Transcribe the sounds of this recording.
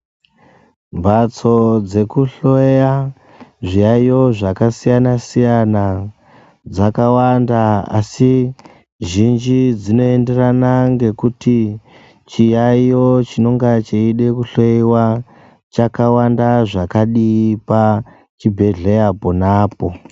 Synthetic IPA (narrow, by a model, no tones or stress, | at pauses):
bʱat͡so̞d͡ze̞kuɬoeja | ʐijaijo̞ʐakasijanasijana | d͡zakawandaa̰si | ʒind͡ʒid͡zino̞e̞nde̞ranaŋɡe̞kuti | t͡ʃijaijo̞t͡ʃino̞ŋɡat͡ʃeiɗe̞kuɬoiwa | t͡ʃakawandaʐakaɗipa | t͡ʃibʱe̞ɮejaponaːpo̞